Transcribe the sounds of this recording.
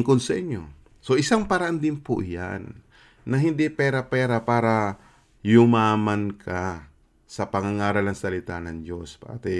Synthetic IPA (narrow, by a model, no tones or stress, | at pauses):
ŋkonsɐʔɪɲjo̰ | soʔɪsaŋpɐɾɐʔand̪ɪnpʊ̰ʔja̰nː | ɐɦɪnd̪ɪpɛːɾɐpɛːɾɐpaːɾɐ | jʊmaːmankʰa | sɐpɐŋaŋaːɾɐlnɐŋsɐlɪt̪anɐŋd͡ʒo̞spɐʔa̰t̪ɛ